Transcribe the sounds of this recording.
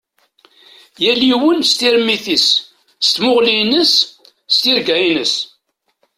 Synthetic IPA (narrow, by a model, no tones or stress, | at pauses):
jæliwənst̪iɾmːiθis | st̪mʊʁlinəs | st̪iɾɡæjinəs